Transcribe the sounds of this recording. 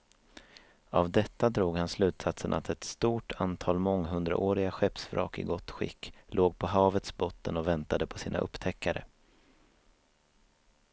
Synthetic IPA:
avd̪ɛt̪ːad̪ɾuːɡhanslʉ̟ːt̪sat̪sənʔat̪ʰɛt̪st̪uːʈʰant̪ʰɑːlmɔŋːɦɵnd̪ɾa̰ʔoːɾɪɡaɧɛpsfɾʔɑ̰ːkɪɡɔt̪ːɧɪ̰kːlʔoːɡ̚pʰɔɦɑːvət̪sbɔt̪ːənɔvɛnt̪ad̪əpʰɔsiːna̰ʔɵ̰pːt̪ʰɛkːaɾə̰

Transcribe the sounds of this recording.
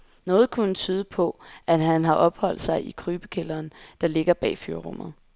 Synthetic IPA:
nɔ̽ːð̞̩ˠkʰunət͡sʰyːð̞ˠəpʰɒ̽ʔæɦænɦɑ̈ʔɒ̽b̥hɒ̽l̰d̥sɑ̈ɪʔikʰʁyːb̥əkʰelɐːnd̥ɑ̈le̝ɡ̥ɐb̥ɛ̰ːfyɐʁɔm̰ð̩ˠ

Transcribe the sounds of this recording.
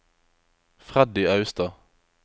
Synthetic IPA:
fʁad̪ɪɑʉst̪ɑ

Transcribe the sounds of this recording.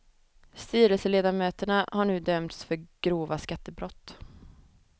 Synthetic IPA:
st̪yːɾəlsəleːd̪amøːt̪əɳahaɳʉ̟ːd̪œmt̪sfœɾɡ̥ɾoːvaskat̪ːəbɾɔt̪ː

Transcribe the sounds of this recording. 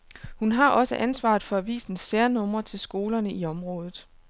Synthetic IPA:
hunɦɑ̈ʔɒ̽səʔænsʋɑ̰̈ːð̩ˠfɒ̽æʋḭːsn̩seɐnɔ̽m̰ɐt͡sʰe̝lsɡ̥o̝ːlɐnəʔiɒ̽mʁɔ̽ːð̞ˠð̩ˠ

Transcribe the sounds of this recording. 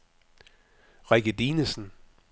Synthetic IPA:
ʁaɡ̥ədiːnəsn̩

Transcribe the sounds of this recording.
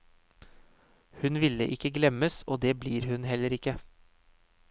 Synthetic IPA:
hʉnʋɪlːə̰ʔɪkːəɡlɛməsoːd̪eːbliːɾhʉnɦɛlːəɾɪkːə

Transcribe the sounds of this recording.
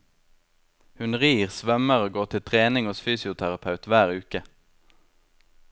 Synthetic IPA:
hʉnʁiːʁsʋɛməʁoɡoːʁt̪ʰɪlt̪ʰʁeːnɪŋoːsfyːsɪʊt̪ʰæʁɑpʰɑʉt̪ʋæːʁʉːkə

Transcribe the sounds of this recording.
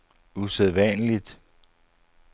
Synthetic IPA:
useðˠʋænəlid̥

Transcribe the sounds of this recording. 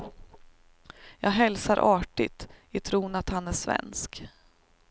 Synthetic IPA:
jɑ̰ːɡɦɛlsaɾʔɑːʈɪ̰t̪ɪt̪ʰɾuːnat̪hanæʂvɛ̰nsk

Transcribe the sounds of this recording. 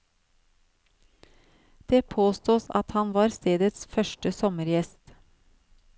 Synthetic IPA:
d̪̥eːpʰoːst̪uːsɑ̰t̪hɑnʋɑːɾst̪eːd̪ət̪sfœʃʈəsɔməɾjɛst̪

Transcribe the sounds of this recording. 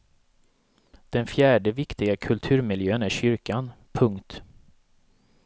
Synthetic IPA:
d̪̥ɛnfjæːɖəvɪkt̪ɪɡakʰɵlt̪ʰʉ̟ːɾmɪljøːənæɾɕʏɾkanpʰɵŋkt̪

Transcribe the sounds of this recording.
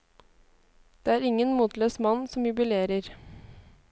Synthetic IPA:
d̪̥eːæːɾɪŋənmuːt̪løːsmɑnsɔmjʉbʏleːɾəɾ

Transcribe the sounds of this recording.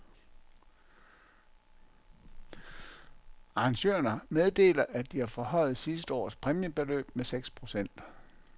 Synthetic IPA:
ɑ̈ɑ̈ŋɕø̰ɐnɐmeð̞ˠd̥e̝̰ːlɐʔæd̥ihæɐfɒ̽hɒ̽ɪ̰ð̞̩ˠsisd̥əɒ̰ːspʰʁɛmiəb̥e̝lø̰ːb̥̚meseɡ̥spʰʁo̝sen̰d̥

